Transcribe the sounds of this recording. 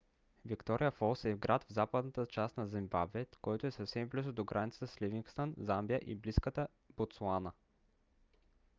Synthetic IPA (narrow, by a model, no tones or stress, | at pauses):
vikt̪ɔɾʔijəfɔlˠsɛvɡɾʔat̪vzapəd̪nət̪ət͡ʃast̪nɐzimbabvɛt̪kɔjt̪oɛsəfsɛmblizod̪oɡɾʔanʲit̪sət̪əsliviŋkst̪ənzambijəʔibliskət̪ə | b̥ot̪slˠanə